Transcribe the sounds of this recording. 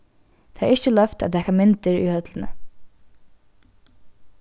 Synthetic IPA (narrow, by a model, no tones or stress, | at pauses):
t̪ʰeːa̰ɪt͡ʃəlœft̪a̰t̪ʰɛːkamɪnt̪ɪɹḭhœt̪lɪnə̰